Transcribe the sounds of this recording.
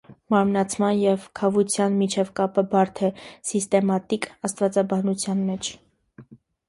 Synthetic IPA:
mɑɾmnɑt͡sʰmɑnjɛvkʰɑvut͡sʰjɑnmit͡ʃʰɛvkɑpəbɑɾt̪ʰɛsist̪ɛmɑt̪ikɑst̪vɑt͡sɑbɑnut͡sʰjɑnmɛt͡ʃʰ

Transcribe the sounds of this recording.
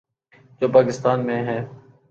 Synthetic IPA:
d͡ʒoːpaːkɪst̪aːnmẽːɦɛ̃ː

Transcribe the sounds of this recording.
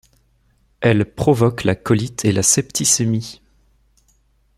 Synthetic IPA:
ɛlpχɔvɔklakɔlit̪ʰelasɛpt̪isemi

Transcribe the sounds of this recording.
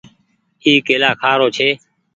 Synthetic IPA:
iːkeːlaːkʰaːɾoːt͡ʃʰeː

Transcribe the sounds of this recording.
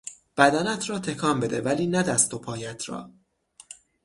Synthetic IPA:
b̥æd̪ænæt̪ʰɾɒːt̪ʰe̞kʰɒːmbe̞d̪ḛvæliːnæd̪æst̪ʰːo̞pʰɒːjæt̪ʰɾɒ̰ː

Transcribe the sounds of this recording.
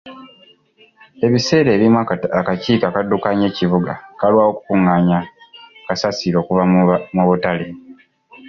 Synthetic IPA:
e̞βise̞ːɾe̞ːβimwaakaciːkakadːukaɲe̞ːcivuɡakalwaːwo̞ku̥kuŋaːɲakasasiɾo̞ːkuvamoβutale

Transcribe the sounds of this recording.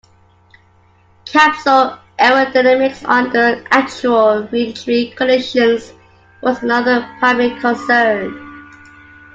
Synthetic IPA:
kʰæpsəl | ʔɛɹədaɪnæmɪksɔ̃nðəʔæk̚t͡ʃuəlˠɹit͡ʃɹikʰəlɛʃə̃nz | wɔzənʌðəpʰɹ̥aɪblɪkʰə̃nsɜn

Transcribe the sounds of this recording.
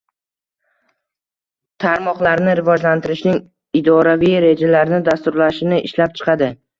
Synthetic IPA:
t̪ʰaɾmɒqlaɾnɪɾɪvɒd͡ʒlant̪ʰɪɾɪʃnɪŋ | ɪd̪ɒɾavijɾe̞d͡ʒalaɾnɪd̪ast̪ʊɾlaʃɪnɪʔɪ̰ʃlap̚t͡ʃʰɨ̥qʰɑd̪ɪ

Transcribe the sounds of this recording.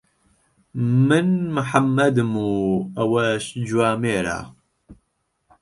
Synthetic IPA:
mɨnmɨħamːɐd̪ɨmuɐwɐʃd͡ʒwaːmeːɾa̰

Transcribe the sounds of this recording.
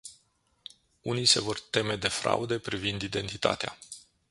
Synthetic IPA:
unijse̞vo̞rt̪e̞me̞d̪e̞fɾa̰ud̪e̞pɾivind̪id̪e̞nt̪it̪a̰t̪ea̰

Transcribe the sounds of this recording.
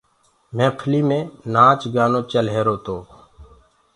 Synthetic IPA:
mɛ̃ːpʰəliːmẽːnãːt͡ʃɡaːnõːt͡ʃəlɦeːɾoːt̪oː

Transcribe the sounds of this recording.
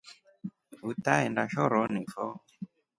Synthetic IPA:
utaɛndaʃɔɾɔnifɔ

